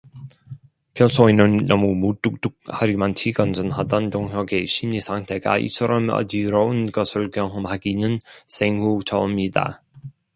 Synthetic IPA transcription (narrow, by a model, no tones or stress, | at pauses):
pʰjʌsʰoinɯnːʌmumut͈uk̚t͈uk̚haɾimantʰiɡʌnd͡ʑɯnhadʌntoŋɦjʌɡeɕʰimɲisʰaŋtʰe̞ɡa̰ḭt͡ɕʰʌɾʌmʌ̰diɾʌunɡʌsʰɯɭkjʌŋɦʌmɦaɡinɯnsʰeŋhut͡ɕʌmɲida̰